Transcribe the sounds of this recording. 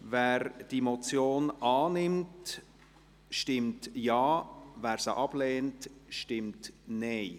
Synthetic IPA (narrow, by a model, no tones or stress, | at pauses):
vɛːɾd̥imot͡sjoːnɑːnɪmt | ʃtɪmtjɑːvæːɾsəʔɑb̥leːntʃtɪmtneɪ